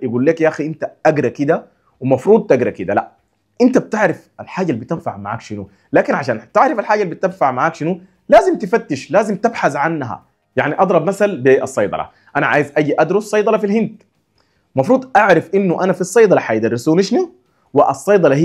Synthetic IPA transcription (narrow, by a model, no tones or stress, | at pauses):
jɪɡuːlːeːkjaʔaxiʔɪnt̪aʔaɡɾakɪd̪a | wɪmɑfɾuːd̪̚ˤt̪aɡɾakid̪ala̰ | ʔɪnt̪ab̚t̪aʕɾɪfalħaːɟalːbit̪anfaʕmaʕa̰ːkʃinu | laːkinʕaʃaːnt̪ɪʕɾɪfalħaːɟalːibit̪amfaʕmaʕaːkʃinu | laːzimt̪ifat̪ːɪʃlaːzimt̪ɪbħasʕanːɦa̰ | jaʕniʔɑd̪ˤɾˤɑbmasalbiʔɑsˤːɑjd̪ˤɑ̰lɑ̰ | ʔanaʕa̰ːjizʔaɡiʔad̪ɾʊsˤːɑjd̪ˤɑlɑfilhɪnd̪ | mɑfɾuːd̪ˤʔaʕɾɑfʔinːuʔanafisˤːɑjd̪ˤɑlɑħajd̪ɑrːisuːniʃni | wiʔɑsˤːɑjd̪ˤɑlɑhi